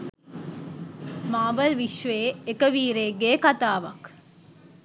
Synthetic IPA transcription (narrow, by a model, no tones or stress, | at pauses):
maːʋəlʋiʃʋeːekəʋiːɾeːɡeːkat̪aːʋɐ̰k